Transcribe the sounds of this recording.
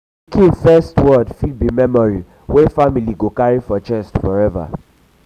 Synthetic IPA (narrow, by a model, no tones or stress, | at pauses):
kĩfɛstwɔdfid̚bimɛmɔɹi | wefamiliɡokaɹifɔt͡ʃɛstfɔɹɛva̰